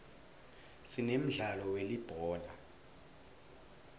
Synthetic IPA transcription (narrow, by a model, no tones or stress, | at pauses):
sinem̩ɮalɔwelib̥ʱɔːna